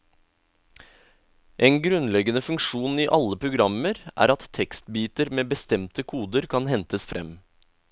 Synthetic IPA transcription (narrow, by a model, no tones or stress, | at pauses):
ʔeːnɡɾʉnlɛɡənəfʉŋkʃuːniːʔɑləpʰɾʊɡɾɑməɾʔæ̰ːɾɑt̪tʰːɛkst̪biːt̪əɾmeːbəst̪ɛmt̪əkʰuːd̪əɾkʰɑnhɛnt̪əsfɾʔɛ̰m